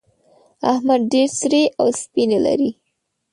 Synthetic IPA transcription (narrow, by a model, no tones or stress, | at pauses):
ahmad̪̚ɖeɾsɾeʔawspinela̰ɾi